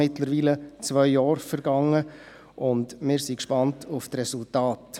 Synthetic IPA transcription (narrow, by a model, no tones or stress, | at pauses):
ɪtləɾʋiːlət͡svœʏːɑːɾfəɾɡ̥ɑŋːə | ʔʊndmɪːɾsikʃpɑntʰʊftɾɛsʊltɑːt